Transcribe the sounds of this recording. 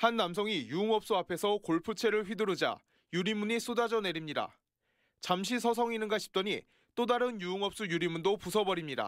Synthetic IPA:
hanːams̬ʰʌŋijuɯŋʌp̚s͈uapʰe̞sʰʌkoɭpʰut͡ɕʰe̞ɾɯɭɸɥidɯɾud͡ʑa̰ | juɾimuɲis͈udad͡ʑʌne̞ɾimɲida̰ | t͡ɕamɕʰisʰʌs̬ʰʌŋinɯnɡaɕʰi̥p̚t͈ʌɲi | t͈odaɾɯnjuɯŋʌp̚s͈ujuɾimundopusʰʌbʌɾimɲida̰

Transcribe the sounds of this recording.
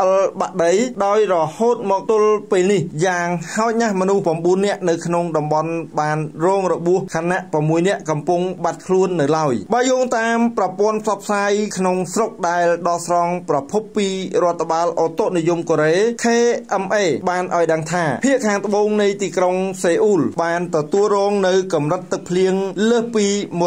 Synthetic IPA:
ʔəlɓaʔɗəjɗaɔjrɔhoːt̪̚mɔːk̚t̪ʊəlpeːlnihjaːŋhaɔc̪̚nahmɔnuhprɑmɓuənːɛ̆əʔnɨwkʰnoŋɗɑmɓɑnɓaːnrɔːŋrɔɓuəhkʰaːnːaʔpramːuəjnɛ̆əʔkɑmpuŋɓat̪̚kʰluənːɨwlaɔjɓaːjɔːŋt̪aːmprɑpŏənpʰsɑp̚ʰsaːjkʰnoŋsrok̚ɗaɛlɗɑːhsrɑŋprɑpʰupːiːrŏət̪ʰːaɓaːlʔot̪oʔnijumkoːɾeːk̪ʰeːʔɛmʔeːɓaːnʔaɔjɗəŋt̪ʰaːpʰiəʔkʰaːŋt̪ə̆ɓoːŋnɨjt̪iːkroŋseːʔuːlɓaːnt̪ɔt̪uəlrɔːŋnɨwkɑmrɨt̪ːɨk̚pʰliəŋləːhpiːmo

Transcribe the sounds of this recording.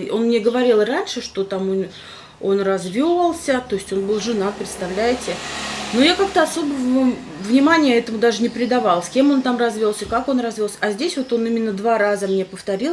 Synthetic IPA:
o̞nmnʲe̞ɡəvɐɾʲilˠɨɾanʲʂɨʂt̪o̞t̪amonʲ | o̞nrɐzvʲolˠsʲət̪o̞ɪsʲtʲo̞nbɨlˠʐɨnapɾʲɪt̪st̪ɐvlʲæjɪtʲɪno̞jakak̚t̪əɐso̞bəvə | vnʲɪmanʲɪjəɛt̪əmʊd̪aʐɨnʲɪpɾʲɪd̪ɐvalˠsʲkʲemo̞nt̪amrɐzvʲo̞lˠsʲəkako̞nrɐzvʲo̞lˠsʲəɐzʲdʲesʲvo̞t̪o̞nimʲɪnːəd̪varazəmnʲe̞pəft̪ɐɾʲilˠ

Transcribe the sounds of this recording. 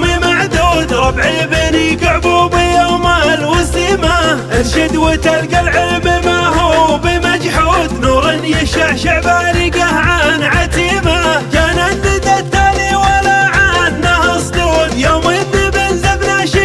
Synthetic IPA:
mimaʕd̪uːd̪ɾˤɑbʕibeniɡʊʕbubijamalwɪsimaʔɪlʃɪd̪wɪt̪alɡalʕɪlbɪmaɦubimad͡ʒħuːd̪nuɾɪnjɪʃaʕʃaʕbaɾiɡahʕanʕat̪imakanazɪd̪at̪ːaliwalaʕad̪nahsˤd̪uːd̪joːmiθɪbɪlzabnaʃi

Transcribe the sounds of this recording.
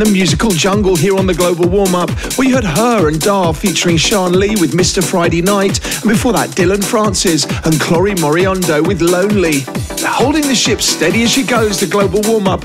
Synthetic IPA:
nɨmjʉzɨkəl̩ˠd͡ʒʌ̃ŋɡəl̩ˠɦiɹə̃nðɨɡloʊbl̩ˠwɔɹmʌp̚ | wihəd̚əɹɨ̃ndɑɹfit͡ʃə˞ɪ̃ŋʃɑɹnliwɨðmɪstə˞fɹaɪɾeɪnaɪt | ə̃n̩bɨfɔɹðə̰t̚d̥ɪlˠə̃nfɹɑ̃nsɪzə̃nkʰl̥ɔɹimɔɹiɑ̃ndoʊwɨðlõʊ̃nli | hoʊlˠdɪ̃ŋðɨʃɪpstɛɾiɨz̥ʃiɡoʊzðɨɡloʊbəlˠwɔɹmʌp̚

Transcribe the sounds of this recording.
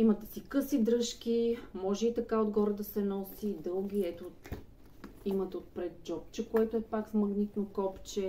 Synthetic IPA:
imɐt̪ɛsikɤsid̪ɾɤʃkimɔʒɛit̪ɐkaod̪ɡɔɾəd̪ɐsɛnɔsid̪ɤlˠɡʲiɛt̪o | imət̪ot̪̚pɾɛd̪̚d͡ʒɔp̚t͡ʃɛkoɛt̪oɛpaksmɤɡnit̪nokɔpt͡ʃɛ

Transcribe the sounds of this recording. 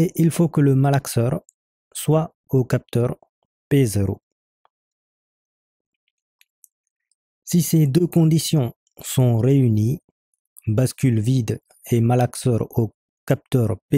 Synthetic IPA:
eʔilfokələmalaksœʁ | swa | okap̚t̪œʁ | pezeʁo̰ | sised̪økɔ̃d̪isjɔ̃ | sɔ̃ʁeyni | baskʲylvid̪ | emalaksœʁo | kap̚t̪œʁpe

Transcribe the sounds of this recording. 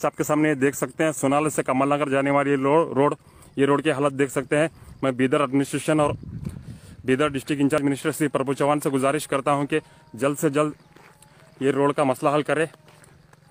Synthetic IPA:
saːp̚kesaːmnejed̪eːkʰsɐk̚t̪eɦɛ̃sʊnaːləsekɐmalãɡəɾd͡ʒaːneʋaːlijeoːɾoːɽ | jeɾoːɽkeɦalət̪̚d̪eːkʰsɐk̚t̪eɦɛ̃ːmɛ̃ːbiːd̪əɾɐɖmɪnɪsʈɾeːʃənɔːɾ | biːd̪əɾɖɪsʈɪkɪ̃t͡ʃaːd͡ʒmɪnɪsʈəɾsipɾɐbʊt͡ʃəʋaːnseɡʊzaːɾɪʃkɐɾt̪aɦũki | d͡ʒɐld̪sed͡ʒɐld̪ | jeɾoːɽkamɐslaɦɐlkɐɾẽː

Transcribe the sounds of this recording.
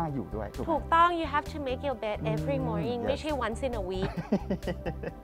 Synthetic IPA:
ajṵːdutʰuk̚t̪ɔ̃ŋjuɦɛftʰumekjɔbɛtmɛvɹimɔɹnĩŋmeʃiwãnsɪ̃nəwik̚

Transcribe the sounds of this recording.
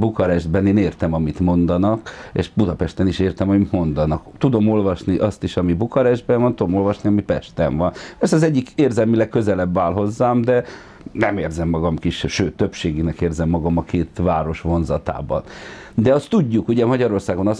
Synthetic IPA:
bukɒɾɛʒd̪bɛneːneːrt̪ɛmɒmit̪mo̞nd̪ɒnɒkḛːʃbud̪ɒpɛʃt̪ɛniʃeːrt̪ɛmɒmit̪mo̞nd̪ɒnɒkt̪ud̪o̞mo̞lvɒʃniʔɒst̪iʃɒmibukɒɾɛʒd̪bɛɱvɒnt̪ud̪omo̞lvɒʃniɒmipɛʃt̪ɛ̰ɱvɒnpɛrsɛɒzɛɟːikeːrzɛlmilɛkːø̞zɛlɛbːaːlɦo̞zːaːmd̪ɛ | nɛmeːrzɛmːɒɡɒmkiʃʃøːt̪ːøpʃeːɡinɛkeːrzɛmːɒɡɒmɒkʰeːt̪vaːɾo̞ʃʋo̞nzɒt̪a̰ːbɒ̰n | d̪ɛɒst̪ːuɟːukuɟɛmɒɟɒɾo̞rsaːɡo̞nɒs

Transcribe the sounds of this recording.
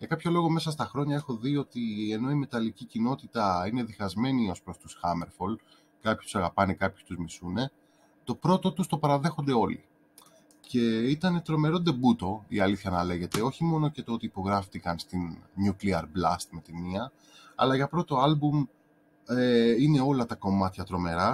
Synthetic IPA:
ʝɐkɐpço̞lo̞ɣo̞me̞sɐs̬t̪ɐxɾo̞ɲɐe̞xo̞ðio̞t̪ie̞no̞ime̞t̪ɐlicicino̞t̪it̪ɐine̞ðixɐzme̞nio̞spɾo̞st̪usxɐme̞ɾfo̞l | kɐpço̥st̪u̥sɐɣɐpɐnekɐpçu̥st̪uzmisune̞ | t̪o̞pɾo̞t̪o̞t̪ust̪o̞pɐɾɐðe̞xo̞nd̪e̞o̞lḭ | ce̞it̪ɐne̞t̪ɾo̞me̞ɾo̞nd̪e̞but̪o̞ḭɐliθçɐnɐle̞ʝe̞t̪e̞o̞çimo̞no̞ce̞t̪oot̪iːpo̞ɣɾɐft̪ikɐnst̪inɲukliɐɾblɐst̪met̪iniɐ | ɐ̰lɐʝɐpɾo̞t̪o̞ɐlbum | eine̞o̞lɐt̪ɐko̞mɐt̪çɐt̪ɾo̞me̞ɾɐ

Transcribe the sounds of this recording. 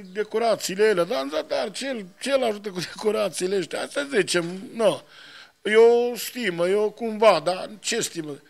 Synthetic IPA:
d̪ekoɾat̪siːleelad̪anzat̪aɾt͡ʃelt͡ʃelaʒut̪̬əkud̪ekoɾat̪siːleeʃt̪ʲea̰st̪azit͡ʃemna | jost̪iməjokumvad̪at͡ʃest̪imə

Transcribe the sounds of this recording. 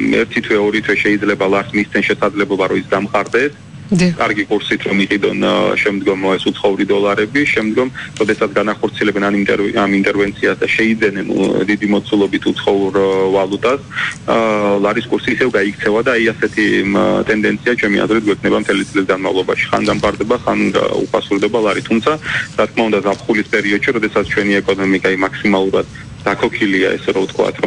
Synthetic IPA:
ɛ̰ɾt̪ʰit̪ʰwɛɔɾit̪ʰwɛʃɛid̪zlɛbalˠaɾsmist̪ɛnʃɛsad̪zlɛblˠɔbaɾɔisɡamqʼaɾd̪ɛs | kʼaɾɡikʼuɾsit̪ʰɾɔmiqʼid̪ɔnʃɛmd̪ɡɔmɛsut̪sʰχɔuɾid̪ɔlˠaɾɛbiʃɛmd̪ɡɔmɾɔd̪ɛsat̪sʰɡanaχɔɾt̪sʰiɛlɛbɛnant̪ʼɛamint̪ʼɛɾvɛnt̪sʰiasd̪aʃɛid̪zɛnɛn̰d̪id̪imɔt̪sʰulˠɔbit̪ʰut̪sʰχɔuɾvalˠut̪ʼas | lˠaɾiskʼuɾsiːsɛvɡaikʰt̪sʰɛvad̪aːiasɛt̪ʰit̪ʼɛnd̪ɛnt̪sʰiat͡ʃʰɛmiʔa̰zɾɛt̪̚ɡwɛkʰnɛbamt̪ʰɛlit̪sʼlis̬ɡanmavlˠɔba̰ʃi̥χa̰nɡamp̪ʼaɾd̪ɛbaχa̰nṵpʰasuɾd̪ɛbalˠaɾit̪ʰumt̪sʰaɾat̪̚kʰmaund̪azapʰχulispʼɛɾiɔd̪̥ʃiɾɔd̪ɛsat̪sʰt͡ʃʰwɛniɛkʼɔnɔmikʼaimaksimalˠuɾad̪̥ː | akʰɔkʰilia̰ɛ̰sɛɾɔvt̪ʰkʰwa̰t̪ʰɾɔ

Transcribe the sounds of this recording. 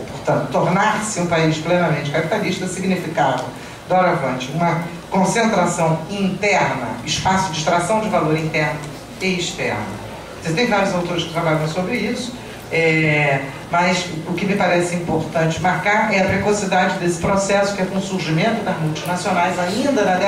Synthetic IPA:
poɾt̪ɐ̃nt̪ʊ̥t̪oɾnaɾsɪũpaiʃplẽnɐmẽt͡ʃɪ̥kapi̥t̪aliʃt̪ɐsiɡnifikavɐ̃ | d̪ɐɔɾavɐ̃t͡ʃɪũmɐ | kõsẽnt̪ɾasɐ̃w̃ĩnt̪ɛɾnɐ̰ɪʃpasʊd͡ʒɪʃt̪ɾasɐ̃w̃d͡ʒɪvaloɾĩnt̪ɛɾnʊ | ɪɪʃt̪ɛ̰ɾnɐ̰ | et̪ẽj̃vaɾjʊzawt̪oɾɪʃkɪt̪ɾabaʎɐ̃w̃sobɾɪisʊ̥ | ɛ | mɐsʊkɪmɪpaɾɛsɪĩpoɾt̪ɐ̃nt͡ʃɪmaɾkaɾɛɐpɾekosid̪ad͡ʒɪd̪esɪ̥pɾosɛsʊ̥kɪɛkõsuɾʒimẽnt̪ʊd̪ɐzmuwt͡ʃinasionajzaĩnd̪ɐnɐd̪ɛ

